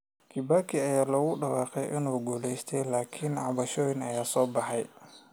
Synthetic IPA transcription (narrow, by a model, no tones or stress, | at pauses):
kʰibakʰiɐjaːlɔːɣʊɖɐwɑːqɛjʔɪ̰nuːɡuːlɛjst̪ʰɛjlaːkʰinʕɑβɐʃɔːjɪnɐjaːsɔːbɑħɛj